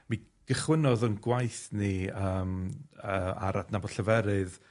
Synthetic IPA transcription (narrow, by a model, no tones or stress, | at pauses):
mi | ɡ̥əχwɪnɔðənɡwajθniəːməa̰ɾadnabɔd̥ɬəvɛɾɨð